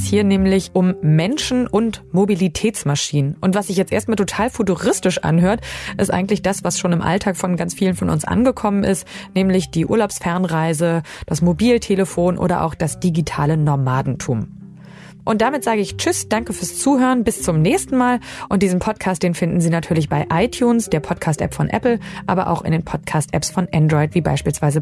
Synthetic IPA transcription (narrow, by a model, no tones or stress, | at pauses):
shiːɐnɛːmlɪçʔʊmːɛnʃn̩ʔʊntmobilitʰɛːt͡smaʃiːnənʔʊntv̥asz̥ɪçjɛt͡stʔeːɐst̚maːltʰotʰaːlfutuʁɪstɪʃʔa̰nɦøːɐtʔɪ̰stʔa̰ɪɡŋ̩tlɪçd̥asv̥asʃoːnɪmʔa̰ltʰaːkfɔnɡant͡sfiːlənfɔnʔʊ̰nsʔa̰nɡəkʰɔmənʔɪ̰stnɛːmlɪçd̥iːʔṵɐlaʊpsfɛɐnʁaɪzəd̥asmobiːltʰeləfoːnʔo̰ːɾɐ̰ʔa̰ʊxd̥asd̥iɡitʰaːlənɔɐmaːdn̩tʰuːm | ʔʊntd̥amɪtz̥aːɡəɪçt͡ʃʏsd̥aŋkəfyːɐst͡suːhøːʁənbɪst͡sʊmnɛːçstn̩maːlʔʊnt̚d̥iːzn̩pʰɔt̚kʰaːst̚d̥eːnfɪndn̩ziːnatʰyːɐlɪçb̥aɪʔaɪtʰjuːnsd̥eːɐpʰɔtkʰaːstʔɛ̰pfɔnʔɛ̰pl̩ʔaːbɐʔa̰ʊxɪ̰ndeːnpʰɔtkʰaːstʔɛ̰psfɔnʔɛndʁɔɪtv̥iːba̰ɪʃpiːlsv̥aɪzə